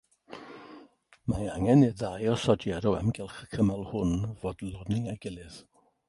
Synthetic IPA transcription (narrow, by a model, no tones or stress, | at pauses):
maaŋɛniðajɔsɔdjɛɾɔwɛmɡɪlˠχə̥kʰəmalˠhʊnvoːdlˠɔniaɡɪlˠɨð̥